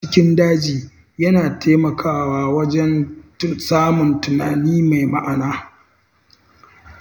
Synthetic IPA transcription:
t͡ʃɪ˦kʲɪ˦ndaː˦d͡ʒiː˨ | jɐ˦naː˨tʰeː˦mɐ˨kʰaː˦waː˦wɐ˦d͡ʒɛ˦n˦saː˦mʊ˨ntʊ˨naː˨niː˦ma˨jma˦ʔa˨naː˦

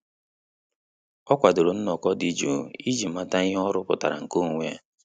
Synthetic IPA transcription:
ɔ˦kʷa˨do˨ɾo˨n̩˦nɔ˨kɔ˦di˦d͡ʒu˨i˦d͡ʒi˨ma˦ta˦ɔ˦ɾʊ˦pʊ̰˨ta̰˨ɾa̰˨ŋ̩˨ko˦˨ŋʷe˦˨

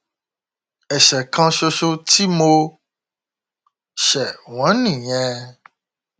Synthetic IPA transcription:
ɛ˨ʃɛ˨kʰã˦ʃo˦ʃo˦t̪i˦mo˦ | ʃɛ˨w̃ɔ̃˨˦nĩ˨ɲɛ̃˦

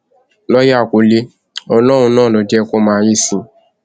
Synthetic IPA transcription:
nɔ˦ja˦˨ko˨le˧˦ | ɔ˧lɔ˦wũ˧nãː˦˨nɔ̃˨˦d͡ʒɛ˦˧ko˦mãː˨˦ji˦˨sĩ˨˦

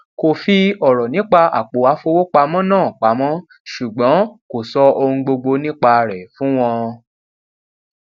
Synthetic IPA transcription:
ko˨fi˧ɔ˦˨ɾɔ˨nĩ˨˦k͡pa˧ʔa̰˨k͡po˨˦wa˨˦fo˧wo˦k͡pa˧mɔ̃˦nãː˦˨k͡pa˨˦mɔ̃˦ | ʃu˨ɡ͡bɔ̃˨˦ko˨sɔ˧o˧ũ˧ɡ͡bo˧ɡ͡bo˧nĩ˦k͡pa˧ɾɛ˨fũ˨˦w̃ɔ̃˧

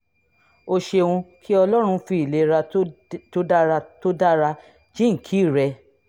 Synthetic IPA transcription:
o˧ʃe˧wũ˧kʰi˦ɔ˧lɔ˦ɾ̃ũ˧fi˧i˨le˨˧˦ɾa˧to˦da˦ɾa˧to˦da˦ɾa˧ | d͡ʒĩ˦ŋ̩˨kʰi˨˦˨ɾɛ˧

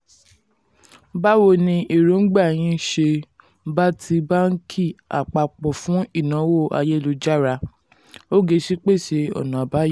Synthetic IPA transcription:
ba˦wo˧nĩ˧ʔe˨ɾo˨˦n̩˦ɡ͡ba˦˨j̃ĩ˧ʃe˧ | ba˦tʰi˧ba˦ŋ̩˦kʰi˦˨a̰˨k͡pa˨k͡pɔ˨fũ˨˦i˦˨nã˨˦wo˦˨ʔa̰˧je˦lo˧d͡ʒa˦ɾa˧ | o˦ɡe˧ʃi˦k͡pe˦˨ʃe˧ɔ̰˨nã˨a˨ba˦j

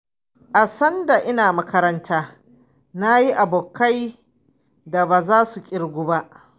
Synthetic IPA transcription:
ʔa˨sɐ˦nda˨ʔɪ˦naː˨mɐ˦kɐ˦ɾɐ˦ntʰaː˦ | na˦ji˦ʔa˨boː˨kːa˦j | da˨baː˨zaː˦su˨kʲʼɪ˦ɽɡʷu˦ba˦ʔ

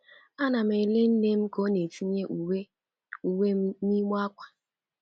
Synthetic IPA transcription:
a˦na˨m̩˨e˨le˦n̩˦ne˦m̩˦ko˨˦ne˨ti˦ɲe˦ʔwe˦ | u˨we˦ni˦m˦a˦kʷḁ˨

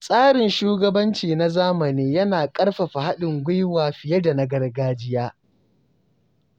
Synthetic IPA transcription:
sʼaː˦ɽɪ˨nʃuː˦ɡɐ˦bɐ˦nt͡ʃiː˨na˦zaː˦mɐ˨niː˦jɐ˦naː˨kʼɐ˦ɽɸa˨ɸa˨ha˦ɗɪ˨ŋɡʷʊ˦jwaː˨ɸɪ˨jɐ˦da˨na˦ɡɐ˦rɡaː˦d͡ʒɪ˦jaː˦

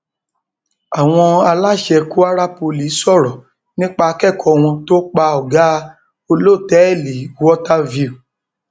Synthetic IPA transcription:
a˨w̃ɔ̃˧a˧la˦˨ʃɛ˧ku˦a˦ɾa˦po˧li˨˦sɔ˦˨ɾɔ˨ | nĩ˦k͡pa˧kɛ˦˨kʰɔ˧w̃ɔ̃˧to˦k͡pa˧ɔ˨ɡa˦ | o˧lo˦˨tɛ˦ɛ˦˨li˨˦wɔ˦ta˦vi˧u˨

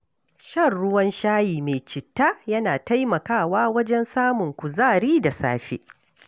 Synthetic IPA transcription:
ʃɐ˦˨rɽʊ˦wɐ˦nʃaː˦jiː˨me˨t͡ʃɪ˨tːa˦jɐ˦naː˨ta˦jmɐ˨kaː˦˨waː˦wɐ˦d͡ʒɛ˦nsaː˦mʊ˨ŋkʷʊ˨zaː˦˨ɽiː˦da˨sa̰ː˦ɸḛ˦ʔ

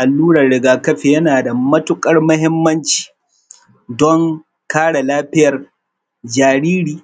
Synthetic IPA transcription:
ʔa˨lːuː˦ɽɐ˨rɽɪ˨ɡaː˨kɐ˦ɸe˨jɐ˦naː˨da˨mɐ˦tʊ˦kʼɐ˦rmɐ˦ɦɪ˦mːɐ˦nt͡ʃi̥ː˨ | dɔ˦ŋ | kaː˦ɽa˨laː˦ɸɪ˦jɐ˨r | d͡ʒaː˨ɾiː˦ɾiː˨

